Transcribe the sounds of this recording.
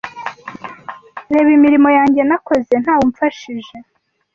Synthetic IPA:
ɾe̞ːβimiɾimo̞jaːɲɟe̞nako̞ze̞n̥haːwoɱfaʃiʒe̞

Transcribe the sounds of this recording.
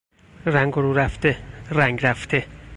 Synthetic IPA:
ɾæŋɡoɾuɾæft̪eræŋɡɾæft̪ʰe

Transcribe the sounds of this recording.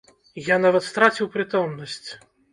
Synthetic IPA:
janavɐt̪st̪ɾat͡sʲiwpɾɨt̪ɔmnɐsʲt͡sʲ

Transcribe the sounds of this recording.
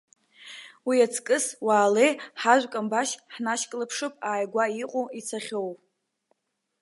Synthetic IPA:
wiat͡sʰkʼɨswaːlejħaʒʷkʼambaʃħnaʃkʼlɨpʰʂɨpʼaːjɡʷaiqʷʼoit͡sʰaχʲowpʼ

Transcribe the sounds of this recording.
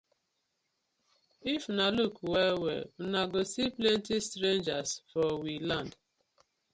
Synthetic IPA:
ifnalukwɛwɛ̰naɡosiplẽntistɾẽnd͡ʒasfɔwilãnd

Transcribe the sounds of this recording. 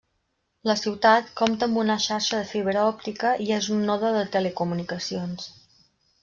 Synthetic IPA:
ləsiwt̪at̪komt̪əːmbunəʃaɾʃəðəfiβ̞ɾəɔp̚t̪ikəʔiezunːɔðəðət̪əlekumunikəsions

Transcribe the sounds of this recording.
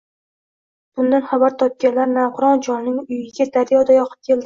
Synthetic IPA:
b̥ʊnd̪anχabaɾt̪ʰɒp̚kʲanlaɾnaqʰʊɾɒnd͡ʒɒnnɪŋʊjɪɡʲad̪aɾjɒd̪ajɒqʰɨ̥p̚kʲʰe̞ld̪ɪ

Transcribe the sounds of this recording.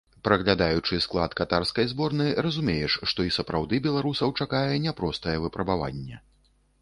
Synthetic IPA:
pɾɐɣlʲad̪ajut͡ʂɨsklˠat̪kat̪arskɐjzbɔrnɨɾɐzumʲejɛʂʂt̪ɔisɐpɾawd̪ɨbʲɛlˠaɾusɐwt͡ʂakajɛnʲɛpɾɔst̪ɐjɛvɨpɾɐbava̰nʲːɛ̰

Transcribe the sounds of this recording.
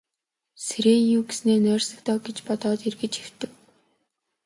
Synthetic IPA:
seɾeːjuːɡesneːnœːrsɘ̆kt̪ɔːɡet͡ɕpɔt̪ɔːt̪erɣɘ̆t͡ɕew̥t̪ɘ̆k

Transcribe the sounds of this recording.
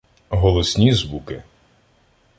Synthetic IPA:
ɦɔlˠɔsʲnʲizʋukɪ

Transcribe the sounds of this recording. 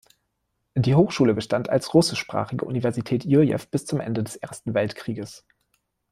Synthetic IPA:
d̥iːhoːxʃuːləbəʃtanta̰lsʁʊsɪʃpʁ̥a̰ːχɪɡə̰ʔṵnivɛɐzitʰɛːtjyjɛ̰fb̥ɪst͡sʊmʔɛ̰ndədɛsʔeːɐstn̩vɛltkʁ̥iːɡəs

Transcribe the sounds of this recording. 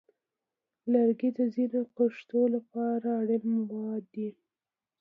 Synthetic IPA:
laɾɡid̪əzinopaʂt̪olapɑɾaːɽɪmwɑd̪i

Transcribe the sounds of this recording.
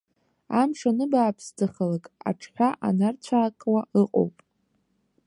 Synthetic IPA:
amʂanɨbaːpʰstʰaχalakʼa̰ʈ͡ʂʰħʷᶣaʔanart͡ɕʷʰaːkʼwaɨqʼo̰wpʼ

